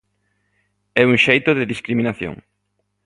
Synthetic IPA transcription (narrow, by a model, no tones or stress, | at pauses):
ɛuŋʃejt̪ʊðɪðiskɾiminaθjo̰ŋ